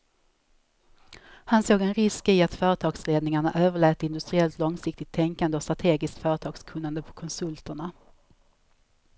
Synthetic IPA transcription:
hansoːɡɛnɾɪskɪat̪fœːɾət̪ʰɑːɡsleːd̪nɪŋaɳaʔøːvəɭɛːt̪ːəɪnd̪ɵst̪ɾɪɛlt̪lɔŋsɪk̚t̪ɪt̪ʰːɛŋkand̪əɔst̪ɾat̪ʰeːɡɪskt̪fœːɾət̪ʰɑːɡskʰɵnːand̪əpʰɔ̥kʰɔnsɵlt̪əɳa

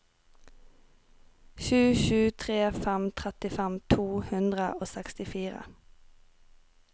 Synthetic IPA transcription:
ʃʉːʃʉːt̪ʰʁeːfɛmt̪ʰʁɛt̪ɪfɛmt̪ʰuːhʉnd̪ʁə̰ʔoːsɛkst̪ɪfiːʁə̰

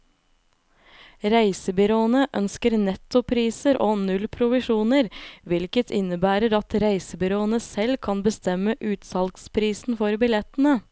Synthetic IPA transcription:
ɾæɪsəbʏɾoːənəʔœnskəɾnɛt̪ʊpʰɾiːsəɾʔoːnʉlpʰɾʊʋɪʃuːnəɾʋɪlkət̪ʰɪnəbæːɾəɾɑt̪ɾæɪsəbʏɾoːənəsɛlkʰɑnbəst̪ɛməʔʉːt̪sɑlkspʰɾiːsn̩fɔɾbɪlɛt̪n̩ə

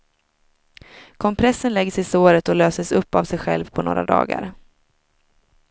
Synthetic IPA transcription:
kʰɔmpʰɾɛsːənlɛɡsɪsoːɾət̪ɔløːsəsɵpːavsɛjɧɛ̰lvpʰɔno̰ːɾa̰d̪ɑ̰ːɡa̰ɾ

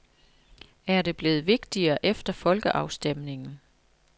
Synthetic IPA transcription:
æɐde̝b̥le̝ːð̩ˠʋe̝ɡ̥d̥iɐːʔefd̥ɐfɒ̽lɡ̥əʔɑ̈ʊsd̥emne̝ŋn̩

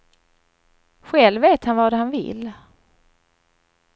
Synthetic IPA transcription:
ɧɛlveːt̪hanvad̪ɛhanvɪ̰lː

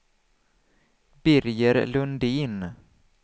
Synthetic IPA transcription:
bɪɾjəɾlɵnd̪iːn

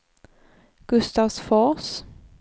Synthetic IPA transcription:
ɡ̥ʉst̪ɑʋsfoːʁs

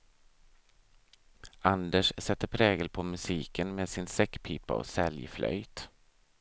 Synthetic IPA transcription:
and̪əʂsɛt̪ːəɾpʰɾɛːɡəlpʰɔmɵsiːkənmeːd̪sɪnsɛkːpʰiːpːa̰ɔ̰sɛljflʔœ̰jt̪

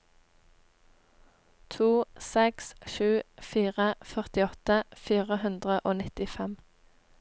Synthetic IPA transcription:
t̪ʰuːsɛksʃʉːfiːʁəfœʁt̪ɪɔt̪əfiːʁəhʉnd̪ʁəʔoːnɪt̪ɪfɛm

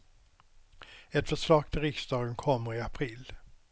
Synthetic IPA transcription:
ɛt̪fœʂlɑːɡ̥̚t̪ʰɪlɾɪksd̪ɑːɡənkʰɔmːəɾɪapʰɾil

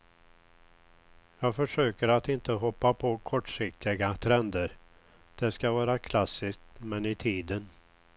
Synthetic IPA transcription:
jɑːɡfœʂøːkəɾat̪ɪnt̪əɦɔpːapʰɔkʰɔʈʂɪk̚t̪ɪɡat̪ʰɾɛnd̪əɾ | d̪̥ɛskavɑːɾakʰlasːɪsk̚t̪mɛnɪt̪ʰiːd̪ən

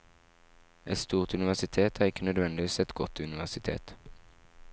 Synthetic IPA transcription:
ʔɛt̪st̪uːʁt̪ʉnɪʋæʁsɪt̪ʰeːt̪ʰæːʁɪkːənœd̪ʋɛnd̪ɪʋiːsɛt̪ɡɔt̪ʉnɪʋæʁsɪt̪ʰḛːt̪

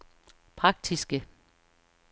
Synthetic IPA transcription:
pʰʁɑ̈ɡ̥̚d̥ʰisɡ̥ə

